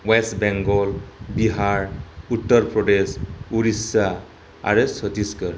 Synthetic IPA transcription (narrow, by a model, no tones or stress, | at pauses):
wesʈbɛŋɡɔlbiɦaɾut̪ːəɾpɾɔɖesuɾisa | a̰ɾesɔd̪iskəɾ